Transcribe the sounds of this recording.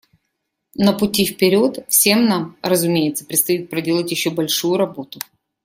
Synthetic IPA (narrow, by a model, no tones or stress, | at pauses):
nəpʊtʲifpʲɪɾʲo̞t̪fsʲe̞mnamɾəzʊmʲejɪt̪sə̥pɾʲɪt̪st̪ɐit̪̚pɾɐdʲe̞lˠətʲjɪɕːo̞bɐlʲʂujʊɾɐbo̞t̪ʊ